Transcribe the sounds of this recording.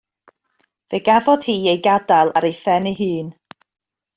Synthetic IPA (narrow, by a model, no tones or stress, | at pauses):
veɡavɔð̥hiːejɡadalˠaɾejθɛniɦɨːn